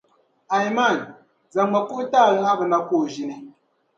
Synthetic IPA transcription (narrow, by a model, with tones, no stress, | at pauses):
a˨jma˦˨n | za˨ŋa˨ku˦ʔtaː˦˨ɣɛ˦ŋa˦bə˨na˦koː˦˨ʒi˨ni˦